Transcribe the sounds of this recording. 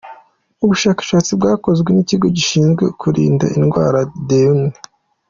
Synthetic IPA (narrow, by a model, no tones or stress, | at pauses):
uβuʃaːkḁʃaːt͡sib̚ɡaːko̞zɡwe̞niciɡo̞ɟiʃiːnzɡwe̞kʰuɾḭːnda̰inɡwaːɾadeune